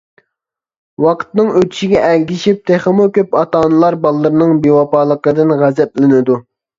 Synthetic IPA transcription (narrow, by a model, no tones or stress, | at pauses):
wɑqʰt̪nɨŋøt̪ʰy̥ʃiɡʲɛʔɛlʲɡʲiʃip̚t̪ʰeχəmukʲøpɑt̪ɑːnɨlˠɑɾbɑlˠːəɾɨnɨŋbewɑpɑːlˠəqəd̪ɨnʁæzɛplɪnɪd̪u